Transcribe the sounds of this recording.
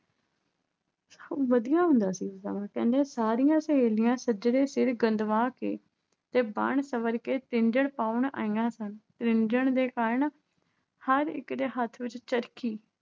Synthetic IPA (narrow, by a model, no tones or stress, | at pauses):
səʋəd̪ijãːɦʊ̃nd̪aːsiːt̪ə̰ʋãːkɛ̃ːnd̪eːsaːɾɪjãːsəeːlɪjãːsəd͡ʒɽeːsɪɾɡənd̪ʋãːkḛː | t̪eːbə̰ɳsəʋəɾkeːt̪ɪnd͡ʒəɽpaːʊɳa̰ːiːjãːsənt̪ɾɪnd͡ʒəɳd̪eːkaɾɳ | həɾɪ̰kd̪eːɦət̪ʰʋɪt͡ʃt͡ʃəɾkiː